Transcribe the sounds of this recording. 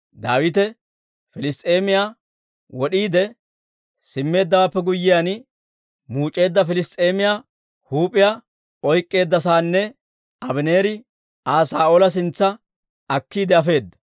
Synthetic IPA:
d̪aːwɪt̪ɛ | fɪlɪst̪ʼeːmɪjaː | wɔɗiːd̪ɛ | sɪmːe̞ːd̪ːɐwaːpːɛɡʊjːɪjaːn | muːt͡ʃʼːe̞ːd̪ːɐfɪlɪst̪ʼe̞ːmɪjaː | huːpʼɪja | ɔjkʼːe̞ːd̪ːɐs̬aːnːɛ | ɐbɪneːɾɪ | aːsaːoːlɐs̬ɪnt͡sːɐ | ɐkːiːd̪ɛɐfe̞ːd̪ːɐ̥

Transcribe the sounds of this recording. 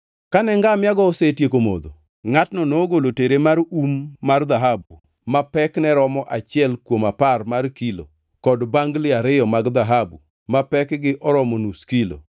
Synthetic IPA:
kanɛŋɡamɪaɡɔːsetjekomo̰d̪o̰ | ŋatnɔnoɡoloteɾemaɾumːard̪aɦabu | mapɛknɛɾɔmɔʔat͡ʃɪɛlkwomaparmarkilo̰ | kɔdbaŋɡlɪaɾɪjɔmaɡd̪aɦabu | mapɛkɡɪʔɔɾɔmɔnuskilo̰

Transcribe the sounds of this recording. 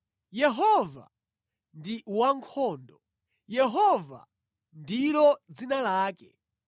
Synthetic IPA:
jɛɦɔva̰ | ndiwaŋkʰɔːndɔ | jɛɦɔva̰ | ndilɔd͡zinalaːkɛ

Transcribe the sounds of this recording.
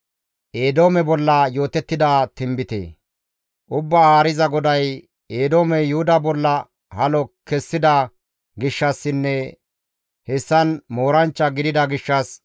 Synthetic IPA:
ʔeːd̪o̞ːmɛbɔlːɐjo̞ːt̪ɛt̪ːɪd̪aːt̪ɪmbɪt̪ḛː | ʔʊbːaːaːɾɪzɐɡɔd̪ɐj | eːd̪o̞ːmɛjʊhʊd̪ɐbɔlːɐ | hɐlɔkɛsːɪd̪ɐ | ɡɪʃːɐsːɪnːɛ | hɛsːɐnmoːɾɐnt͡ʃːɐɡɪd̪ɪd̪ɐɡɪʃːɐs

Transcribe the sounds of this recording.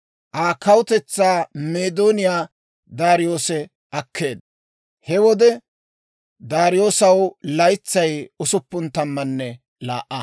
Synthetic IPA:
ʔaːkɐwʊt̪ɛt͡sːaːmeːd̪oːnɪjaː | d̪aːɾɪjo̞ːsɛ | ʔɐkːe̞ːd̪ | hɛwɔd̪ɛ | d̪aːɾɪjo̞ːsɐwlɐjt͡sːɐjʊsʊpːʊnt̪ɐmːɐnːɛ | la̰ːʔːɐ

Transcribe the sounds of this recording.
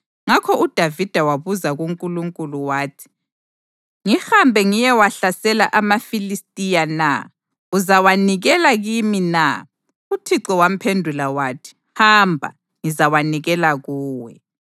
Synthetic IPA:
ŋakʰɔud̥ʱavid̥ʱawaβuzaɣuŋkʼuluŋkʼuluwaːtʰi̥ | ŋihambʱɛŋijɛwaɬasɛlaʔamafilistʼijana̰ | uzawaniɣɛlaɣimina̰ | utʰiǀɔwam̩pʰendʱulawaːtʰi̥ | hambʱa̰ | ŋizawaniɣɛlaɣuːwɛ̰

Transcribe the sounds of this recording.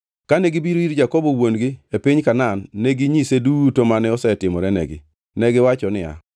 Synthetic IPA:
kaneɡibiɾoiɾd͡ʒakobowonɡɪepɪɲkananːɛɡiɲisedutomanɛɔsɛtɪmɔɾɛnɛ̰ɡɪ̰ | nɛɡɪwat͡ʃɔnɪa̰

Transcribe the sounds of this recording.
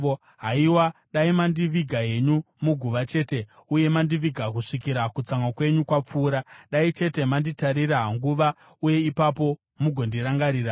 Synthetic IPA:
ɦaiwaɗaimandiʋiɡʱae̞ɲu | muɡʱuʋat͡ʃe̞ːte̞ | uje̞mandiʋiɡʱak̬uʂikiɾakut͡saŋwakwe̞ɲukwap͡fuːɾaɗait͡ʃe̞te̞manditaɾiɾaɦaŋɡuʋa | uje̞ipapo̞ | muɡʱo̞ndiɾaŋɡaɾiːɾa

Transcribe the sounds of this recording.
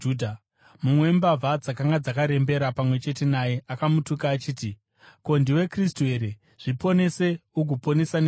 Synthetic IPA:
udʱa | mumweembavʱad͡zakaŋɡad͡zakaɾe̞mbe̞ɾapamwe̞t͡ʃe̞te̞naje̞ʔakamutukaːt͡ʃiːti | ko̞ndiwe̞kristue̞ɾe̞ | ʐ̥ipo̞ne̞se̞uɡʱupo̞ne̞sane

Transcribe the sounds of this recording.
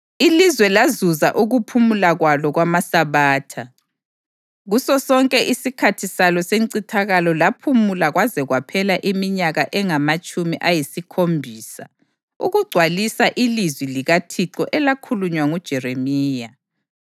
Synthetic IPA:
ilizwɛlazuza̰ʔuɣupʰumulaɣwalɔɣwamasaβaːtʰa | ɣusɔsɔŋkʼɛʔisikʰatʰisalɔseŋǀitʰaɣalɔlapʰumulaɣwazɛɣwapʰɛlaʔimiɲaɣaʔɛŋamat͡ʃʼumiʔajisikʰombʱiːsa̰ | uɣuɡ͡ǀʱwalisaʔilizwiliɣatʰiǁɔ̰ʔɛlakʰuluɲwaŋud̥ʒ̥ʱɛremiːja

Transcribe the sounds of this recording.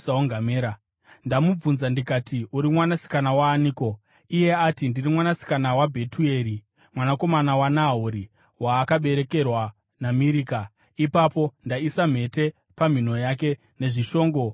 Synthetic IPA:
saoŋɡameɾa | ndamub͡vunzandikatiuɾimwanasi̥kanawaːniːko̞ | ije̞atindirimwanasi̥kanawabʱe̞tue̞ɾi | mwanako̞manawanaɦuɾi | waːkaɓe̞ɾe̞ke̞rwa | namiɾiːka | ipapo̞ndaisam̤e̞te̞ | pam̤in̤o̞jake̞ | ne̞ʐiʃo̞ːŋɡo̞

